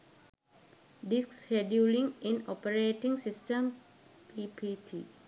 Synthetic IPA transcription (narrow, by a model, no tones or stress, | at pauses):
ɖisksʃeɖjuːlĩŋĩnɔpəɾeːʈĩŋsisʈəm | pʰipʰiːʈ̪ʰiː